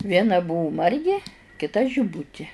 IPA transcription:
ˈʋʲiɛnɐ ˈbʊʋʊ ˈmɐrʲɡʲɪ kʲɪˈtɐ ʒʲɪˈbʊtʲɪ

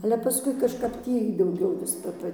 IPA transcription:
ɐlʲɛ pɐˈskʊɪ kɐʃˈkɐp ˈtʲiː dɐʊˈɡʲɛʊ ʋʲɪs ˈpɐ ˈpɐ

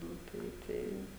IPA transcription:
ˈnʊ ˈtɐɪ ˈtɐɪ

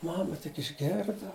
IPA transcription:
ˈmɑːmɐ tʲɪk ɪʒʲˈɡʲeːrdɐ

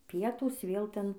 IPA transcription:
ˈpʲiɛtuːs ʋʲeːlˠ ˈtʲɛn

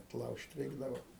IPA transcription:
ɐtˈlˠɐʊʃʲtʲ ˈrʲɛɪɡdɐʋoː

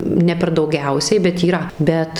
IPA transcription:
nʲɛ pʲɛr dɐʊˈɡʲɛʊsʲɛɪ bʲɛt iːˈrɐ ˈbʲɛt

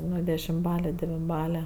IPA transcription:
ˈnʊ dʲɛʃʲɪmˈbɑːlʲɛ dʲɛʋʲɪnˈbɑːlʲɛ

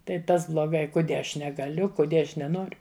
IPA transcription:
tɐɪ ˈtɐs blˠoːˈɡɐɪ kʊˈdʲiɛ ˈɐʃ nʲɛɡɐˈlʲʊ kʊˈdʲiɛ ˈɐʃ nʲɛˈnoːrʲʊ

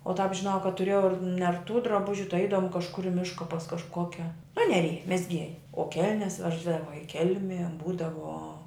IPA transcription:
oː tɑːp ʒʲɪˈnɐʊ kɐt tʊˈrʲeːjɛʊ ɪr nʲɛrˈtuː drɐˈbʊʒʲʊ tɐɪ ˈɛɪdɐʋoːm kɐʃˈkʊr ɪ ˈmʲɪʃkɐ pɐs kɐʃˈkoːkʲɛ ɐˈnʲæːlʲɪjɛ mʲɛzʲˈɡʲiɛjɛ oː ˈkʲɛlʲnʲɛs ˈʋʲæːʒdɐʋɐ ɪ ˈkʲɛlʲmʲiɛ ˈbuːdɐʋoː

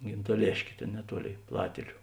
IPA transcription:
ɡʲɪntɐˈlʲeːʃʲkʲeː ˈtʲeːn nʲɛˈtuɔˌlʲeːɪ ˈplˠɑːtʲeːlʲʊ

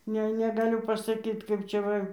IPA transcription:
ˈnʲɛ nʲɛɡɐˈlʲʊ pɐsɐˈkʲiːt kɐɪp ˈt͡ʃʲɛ ˈʋɐ

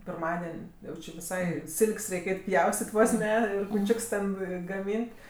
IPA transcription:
pʲɪrˈmɑːdʲɛnʲ ˈjɛʊ t͡ʃʲɪ ʋʲɪˈsɐɪ ˈsʲɪlʲkʲsʲ ˈrʲɛɪkʲ ˈɛɪtʲ ˈpʲjɛʊsʲtʲɪtʲ ˈʋoːs ˈnʲɛ kʊˈt͡ʃʲʊks tʲɛn ɡɐˈmʲiːnʲtʲ

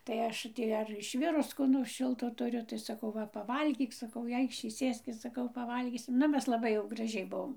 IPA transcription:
tɐɪ ˈɐʃ ˈtʲiː ɐr ɪʃʲˈʋʲɪrʊs ˈkoː noːrs ˈʃʲɪlˠtoː tʊˈrʲʊ tɐɪ sɐˈkɐʊ ˈʋɐ pɐˈʋɐlʲɡʲiːk sɐˈkɐʊ ɪ ˈɐɪkʃʲiː ˈsʲeːsʲkʲɪs sɐˈkɐʊ pɐˈʋɐlʲɡʲiːsʲɪm ˈnʊ ˈmʲɛs lˠɐˈbɐɪ jɛʊ ɡrɐˈʒʲɛɪ ˈbuɔm

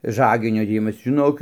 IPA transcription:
ˈʒɑːɡʲɪnʲoː dʲeːˈjɪmɐs ʒʲɪˈnoːk

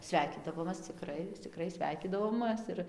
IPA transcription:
ˈsʲʋʲɛɪkʲiːdɐʋoːmɐs t͡sʲɪˈkrɐɪ t͡sʲɪˈkrɐɪ ˈsʲʋʲɛɪkʲiːdɐʋoːmɘs ɪr

